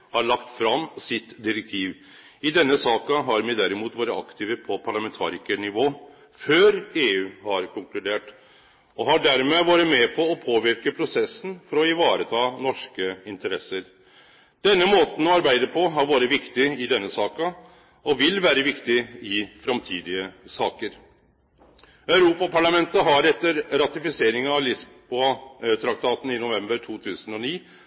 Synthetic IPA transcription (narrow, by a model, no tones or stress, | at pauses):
hɑɾɭɑkt̪fɾɑmːsɪt̪d̪ɪɾɛk̚t̪ʰiːʋ | ɪd̪ɛnːəsɑːkɑɦɑɾmɛd̪æɾɪmuːt̪ʋɑːɾəɑ̰kt̪ʰiːʋəpʰɔpʰɑɭɑmɛnt̪ʰɑ̰ːɾɪkənɪʋoː | føːɾeːʉːhɑɾkʰʊŋklʉd̪eːʈ | ɔɦɑɖæɾmeʋɑːɾəmɛpʰɔɔpʰoːʋɪɾkəpʰɾʊsɛsːən̩fɔɾɔɪʋɑːɾət̪ʰɑːnɔʂkəɪnt̪əɾɛsːəɾ | d̪̥ɛnːəmoːt̪n̩ɔɑɾbæɪd̪əpʰɔɦɑɾʋɑːɾəʋɪkt̪ɪɪd̪ɛnːəsɑːkɑ | ɔʋɪlʋæːɾəʋɪkt̪ɪɪfɾɑmt̪ʰiːd̪ɪəsɑːkəɾ | œʉɾuːpɑpʰɑɭɑmɛnt̪əɦɑɾɛt̪ːəɾɾɑt̪ɪfɪseːɾɪŋɑɑlɪsbbuɑt̪ʰɾɑkt̪ʰɑːt̪n̩ɪnʊʋɛmbəɾʈʰuːt̪ʰʉːsən̩ɔniː